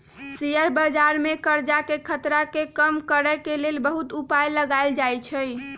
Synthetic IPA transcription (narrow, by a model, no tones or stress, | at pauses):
sijəɾbəd͡ʒaɾmekəɾd͡ʒakekʰət̪ɾakekəmkəɾɛkelelbəɦut̪upajləɡaɪld͡ʒajt͡ʃʰəj